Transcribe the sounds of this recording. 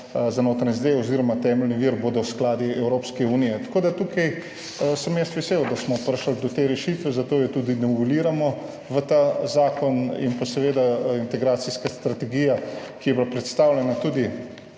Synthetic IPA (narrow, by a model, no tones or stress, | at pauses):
zanoːt̪ɾanizd̪eɔziːɾɔmat̪ɛːmɛlniʋiɾboːd̪ɔwsklaːd̪iɛwɾopskɛuːnijɛt̪ḁkoːd̪at̪ukʰaj | səmjɛst̪ʋɛseːwd̪asmɔpəɾʃəld̪ɔt̪eɾɛʃiːt̪ʋɛzat̪oːjɛt̪uːd̪inɔʋɛliːɾamɔ | ʋət̪azaːkɔnḭnpasɛʋeːd̪aint̪ɛɡɾaːt̪siskast̪ɾat̪ɛɡiːjakijɛblapɾɛt̪st̪aːwlʲjɛnat̪ud̪i